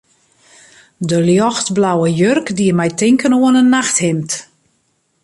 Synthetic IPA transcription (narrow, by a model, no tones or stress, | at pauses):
dəljɔxtblawəjørkdiəmɛjtɪŋkənoənənːaxthɪmt